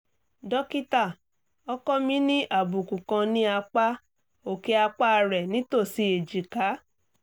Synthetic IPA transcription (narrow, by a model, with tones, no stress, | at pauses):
dɔ˦ki˦ta˦˨ | ɔ˦kɔ˦mĩ˦nĩ˦ʔa˦˨bu˨kũ˨kã˧nĩ˦a˧k͡pa˦ | o˨ke˧a˧k͡pa˦˧ɾɛ˨nĩ˨˦to˦˨si˧˦e˨d͡ʒi˨ka˨˦